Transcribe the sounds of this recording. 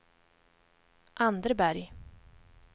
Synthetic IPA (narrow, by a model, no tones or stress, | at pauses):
ʔand̪əɾbæɾj